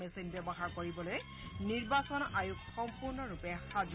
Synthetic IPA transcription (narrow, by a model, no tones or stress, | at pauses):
esinbɛbɔxaɹkoɹibɔloj | niɹbasɔnajukʰxɔmpuɹnɔɹupɛxaz